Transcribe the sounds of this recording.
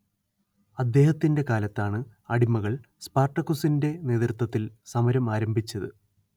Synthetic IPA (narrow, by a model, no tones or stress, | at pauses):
ɐd̪ːe̞ːhɐt̪ːinde̞kaːlɐt̪ːaːɳɨɐɽimːɐɣɐɭ | spaːrʈːɐkːusinde̞ne̞ːt̪rt̪wɐt̪ːilsɐmɐɾɐmaːɾɐmbʱit͡ɕːɐðɨ̰